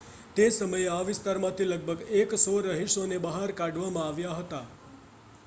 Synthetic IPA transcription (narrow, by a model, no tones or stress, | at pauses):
t̪esəməjeaʋɪst̪aɾmãt̪ʰiləɡ̚bʱəɡeksoɾəɦiʃonebəɦaɾkaɖʋamãaʋjaɦət̪a